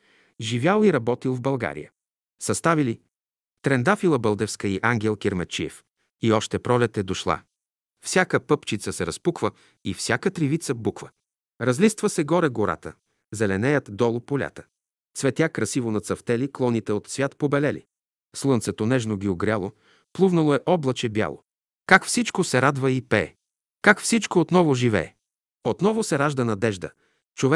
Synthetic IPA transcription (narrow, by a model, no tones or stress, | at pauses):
ʒivʲjalˠiɾɐbɔt̪ilˠvbɐlˠɡa̰ɾḭjə̰ | sɐst̪avili | t̪ɾɛnd̪afilˠəbəlˠd̪ɛfskəiʔaŋɡʲɛlˠkʲiɾmɛt͡ʃḭɛ̰f | iɔʃt̪ɛpɾɔlʲɛt̪ɛd̪oʃlˠa̰ | fsʲakəpɤpt͡ʃit̪səsɛɾɐspukvə | ifsʲjakət̪ɾivit̪səbukvə | ɾɐzlist̪vəsɛɡɔɾɛɡoɾa̰t̪ə | zɛlɛnɛjət̪d̪ɔlˠopolʲa̰t̪ə̥ | svɛt̪ʲjakɾɐsivonɐt̪sɐft̪ɛliklˠɔnit̪ɛot̪svʲjat̪pobɛlɛlḭ | slˠɤnt̪sɛt̪onɛʒnoɡʲioɡɾʲjalˠo | plˠuvnɐlˠoɛʔɔblˠɐt͡ʃɛbja̰lˠo̰ | kakfsit͡ʃkosɛɾad̪vəipɛː | kakfsit͡ʃkoːt̪nɔvoʒivɛ̰ː | ot̪nɔvosɛɾaʒd̪ənɐd̪ɛʒd̪ə̰ | t͡ʃovɛ